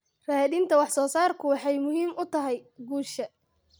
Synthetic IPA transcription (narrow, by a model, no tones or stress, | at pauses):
raːðɪnt̪ʰɐwɑħsɔːsaːrkʰʊwɑħɑjmʊɦiːmʊt̪ʰɐɦɛjɡuːʃɐ